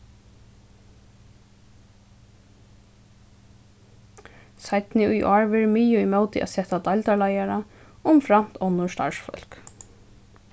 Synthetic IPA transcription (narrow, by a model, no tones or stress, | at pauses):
sajt̪nɪʔʊjʔɔːɹʋɛɾmiːjʊimœwt̪ɪʔa̰sɛt̪ad̪ajlt̪aɹlajaɾa | ʊmfɾam̥t̪ʰɔnːʊst̪a̰ɹsfœ̰l̥k